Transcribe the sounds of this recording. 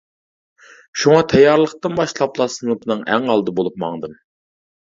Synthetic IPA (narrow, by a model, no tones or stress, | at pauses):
ʃuŋɑt̪ʰɛjːɑɾlˠəqt̪ɨnbɑʃlˠɑplˠɑsɨnɨpnɨŋæŋɑlˠd̪ɨbolˠup̚mɑ̰ŋd̪ɨm